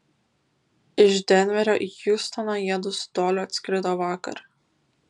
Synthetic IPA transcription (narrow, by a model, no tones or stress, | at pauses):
ɪʒd̪ʲɛnʲʋʲɛɾʲoːʔijust̪ɐnɐjiɛd̪ʊst̪oːlʲoɐt̪ʲsʲkʲɾʲɪt̪oːʋɑːkɐ̰ɾ